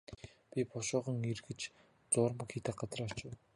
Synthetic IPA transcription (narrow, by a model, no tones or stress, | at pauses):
pʲipʰʊʃʊːʁɞ̆ŋirɣɘ̆t͡ɕ | t͡sʊːrmə̆kxiːt̪ăq̚ɢat͡sraːt͡ɕʊ